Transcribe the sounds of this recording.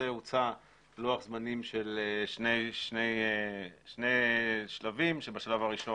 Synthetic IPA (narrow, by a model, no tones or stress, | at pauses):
ejut͡sa | loaχzmanimʃeleʃneʃnej | ʃnejʃlavimʃebaʃalavaʁiʃo